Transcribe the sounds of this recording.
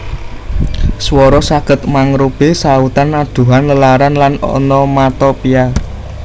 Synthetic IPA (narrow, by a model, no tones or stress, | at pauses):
swɔɾɔsaɡ̥ə̤t̪maŋɾob̥e̤saut̪anːad̪̥ṳɦanləlaɾanlanɔ̰nɔmat̪ɔpia